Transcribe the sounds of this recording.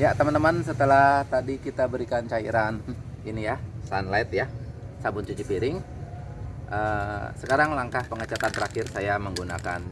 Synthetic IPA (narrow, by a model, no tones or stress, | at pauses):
jat̪əmant̪əmansət̪əlaht̪adikit̪abəɾikant͡ʃaḭɾaninijasanlaɪt̪̚jasabʊnt͡ʃut͡ʃipiɾɪŋ | ʔəsəkaɾaŋlaŋkahpəŋət͡ʃat̪ant̪əɾakɪrsajaməŋɡuna̰ka̰n